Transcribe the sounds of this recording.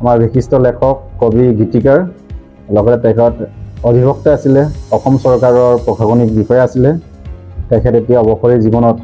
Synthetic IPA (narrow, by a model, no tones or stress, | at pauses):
amaɹbʱixistɔlɛkʰɔkːobiɡitikaɹ | lɔɡɔtɛtɛkʰɛɔtɔbʱibɔk̚taasilɛɔxɔmsɔɹkaɹɔɹpɹɔkʰaɡɔnik̚bixɔjɛasilɛ | tɛkʰɛtetijaɔbɔxɔɹizibɔnɔt